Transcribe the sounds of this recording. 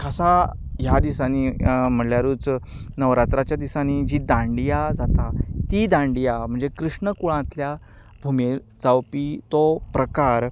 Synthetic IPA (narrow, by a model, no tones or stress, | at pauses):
kʰasajad̪isanim̤əɳljaɾuːt͡s | nəʋɾat̪ɾat͡ɕjad̪isanid͡ʑid̪ãɳɖijad͡zat̪at̪id̪ãɳɖijam̤əɳd͡zekɾuʂɳəkuɭãt̪ljabʱumed͡zawpit̪opɾəkaɾ